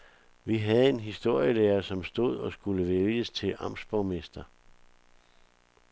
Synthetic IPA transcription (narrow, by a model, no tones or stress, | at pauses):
ʋiɦæð̞̩ˠe̝nɦisd̥o̝ɐ̰jəleːɐsɒ̽msd̥o̝ð̞̰ˠɒ̽sɡ̥uləʋeljəst͡sʰe̝lʔɑ̈m̰sb̥ɒʊmesd̥ɐ